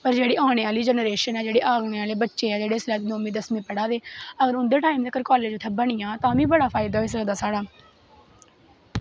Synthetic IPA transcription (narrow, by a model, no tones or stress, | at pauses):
pəɾd͡ʒeːɽiːʔaːɳ̃eːaːliːd͡ʒənəɾeːʃənɛːd͡ʒeːɽeːʔaːɡɽeːaːleːbətːʃeːɛːd͡ʒeːɽeːslɛːt̪noːmẽːd̪əsmẽːpəɽaːd̪eːəɡəɾʊnd̪eːʈaːimd̪ekəɾkɔːleːd͡ʒt̪ʰəbəɳ̃ɪjãːt̪ãːʋĩːbəɽaːpʰaːɪd̪aːɪsɾd̪aːsaːɽaː